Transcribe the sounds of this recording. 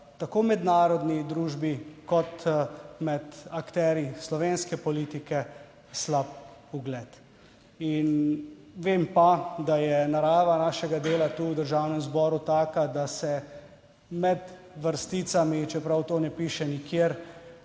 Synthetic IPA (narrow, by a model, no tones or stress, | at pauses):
t̪akoːmɛd̪naːɾɔd̪nid̪ɾuːʒbikɔt̪mɛt̪akt̪ɛːɾjislɔʋenskɛpɔlit̪ikɛ | slap̚uɡlɛt̪ | in | ʋeːmpad̪ajɛnaɾaːʋanaːʃɛɡad̪eːlat̪uwd̪əɾʒawnɛmzbɔːɾut̪aːkad̪asɛ | mɛd̪ | ʋəɾst̪it̪samit͡ʃɛpɾawt̪oːnɛpiːʃɛnikjeːɾ